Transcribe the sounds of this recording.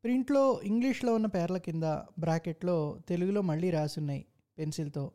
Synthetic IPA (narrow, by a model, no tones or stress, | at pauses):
pɾiɳʈlo̞ːiŋɡliʂlo̞ːunːɐpɛːɾɐlɐkind̪ɐ̰bɾaːkeʈlo̞ːt̪e̞luɡulo̞ːmɐɭːiːɾaːsunːaːjḭ | pe̞nsilɐt̪o̞ː